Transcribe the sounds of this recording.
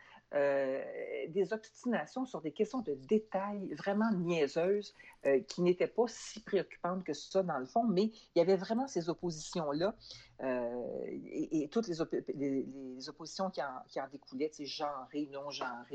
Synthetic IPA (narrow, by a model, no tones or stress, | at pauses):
ø | d̪ezɔpst̪inasjɔ̃syʁd̪ekʲɛst̪jɔ̃d̪əd̪et̪ajvʁɛmɑ̃njɛzøːzøkʲʰinet̪ɛpɔsipʁeɔkʲy̥pɑ̃t̪kəsʌd̪ɑ̃ləfɔ̃mɛijavɛvʁɛmɑ̃sezɔpozisjɔ̃laø | ḛʔet̪ʊt̪lezoleleezɔpozi̥sjɔ̃kʲiɑ̃kʲiɑ̃d̪ekʰulɛseʒɑ̃ʁenɔ̃ʒɑ̃ʁe